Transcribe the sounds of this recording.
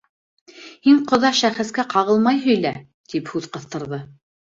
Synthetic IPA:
hiɴqŏðɑʃæχɘ̆skæqɑʁɤlˠmɑjɦɵ̆jlæ | t̪iphʉðqɤ̆θt̪ɤ̆ɾðɤ

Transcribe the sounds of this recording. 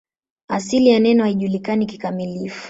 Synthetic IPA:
asilijanɛnɔhaiʄulikaniki̥kamilifu̥

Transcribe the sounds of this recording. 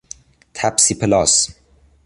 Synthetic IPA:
t̪ʰæpsipʰelɑ̰ːs

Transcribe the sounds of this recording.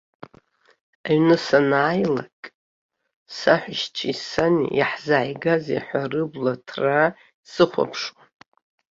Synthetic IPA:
aɥnɨsanaːjlakʼ | saħʷᶣaʃt͡ʃʰiisanḭjaħzaʕjɡazḛħʷarɨblatʰra | sɨχʷa̰pʰʂwan

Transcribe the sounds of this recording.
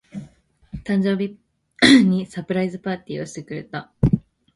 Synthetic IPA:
t̪ãɲ̟d͡ʑo̞ːbʲi | ɲ̟isapɯ̟ɾaizɨpaːt̪ʲiːo̞ɕi̥t̪e̞kɯ̟ɾe̞̰t̪a

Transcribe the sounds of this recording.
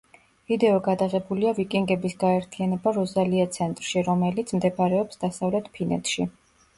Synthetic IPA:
vid̪ɛɔɡad̪aʁɛbuliavikʼiŋɡɛbisɡaɛɾt̪ʰianɛbaɾɔzaliat̪sʰɛnt̪ʼɾʃiɾɔmɛlit̪sʰmd̪ɛbaɾɛɔpsd̪asavlɛt̪ʰpʰinɛ̰t̪ʰʃi

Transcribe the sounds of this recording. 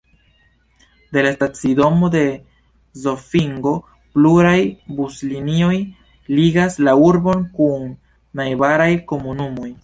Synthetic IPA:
de̞lastat͡sido̞mo̞de̞ | zo̞fiŋɡo̞ | pluɾajbuslinio̞j | liɡaslauɾbo̞nkunː | ajbaɾajko̞munumo̞j

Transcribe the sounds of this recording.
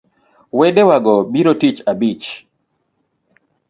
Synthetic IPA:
wɛdɛwaɡɔbiɾotit͡ʃabit͡ʃ

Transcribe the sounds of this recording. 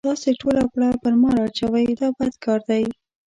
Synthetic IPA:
t̪ɑseʈolapɽapəɾmɑɾɑt͡ʃawajd̪ɑbad̪kɑɾd̪aj

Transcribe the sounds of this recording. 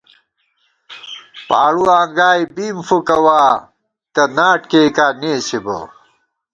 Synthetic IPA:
pa̰ːɽuãːŋɡaːjbiːmfukɐwaː | t̪ɐnaːʈ̚keːkaːneːsibo̰

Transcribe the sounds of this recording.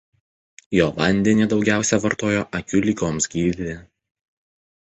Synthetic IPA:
joːʋɐnʲd̪ʲɛnʲid̪ɒʊɡʲæˑʊsʲɛʋɐɾt̪oːjoːʔɐkʲʊlʲikʲoːmsɡʲiːd̪ʲɪ

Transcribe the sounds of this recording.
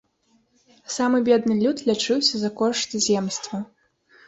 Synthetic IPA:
samɨbʲɛd̪nɨlʲut̪lʲat͡ʂɨwsʲɐzɐkɔʂt̪ɨzʲɛmst̪vɐ

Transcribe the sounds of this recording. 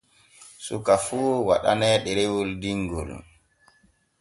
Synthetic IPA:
sukafuːwa̰ɗa̰nɛɗɛɾewuldiŋɡɔ̰l

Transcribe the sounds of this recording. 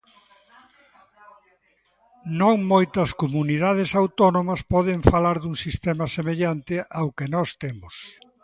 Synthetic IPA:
nõŋmojt̪ɐskomuniðað̞esawt̪ɔnomɐspɔðɪɱfalaɾðuŋsist̪ɛmɐsemeʎant̪ɪʔawkenɔst̪emʊs

